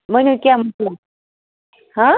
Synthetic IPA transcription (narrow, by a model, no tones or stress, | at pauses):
m̤ənəkjam̤əʈla | hã